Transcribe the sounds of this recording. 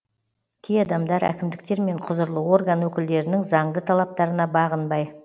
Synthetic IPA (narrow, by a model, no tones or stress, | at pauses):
kʲʰejɑd̪ɑmd̪ɑɾæ̰kʲɪmd̪ɪk̚t̪e̞ɾme̞ɴqʰʊzəɾlˠəwo̞rɡanwɵkʲɪld̪e̞ɾɪnɪŋzɑɴd̪ət̪ʰɑlˠɑp̚t̪ɑɾənɑbɑʁənbɑj